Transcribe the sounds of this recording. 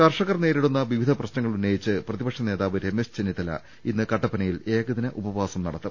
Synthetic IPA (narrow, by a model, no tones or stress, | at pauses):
kɐrʂɐɣɐrne̞ːɾiɽunːɐʋiʋid̪ʱɐprɐɕnɐŋːɐɭunːejit͡ɕːɨprɐðibɐkʂɐne̞ːðaːʋɐɾemest͡ɕenit̪ːɐlɐ̰ | inːɨkɐʈːɐpːɐnɐjile̞ːɣɐðinɨʔubɐʋaːsɐmnɐ̰ɽɐt̪ːɨ